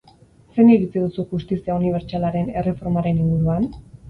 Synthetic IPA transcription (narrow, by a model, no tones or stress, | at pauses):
se̞niɾit͡sið̞usuʝust̪isiauniβ̞e̞ɾt͡ʃalaɾe̞ne̞re̞fo̞ɾmaɾe̞niŋɡuɾuan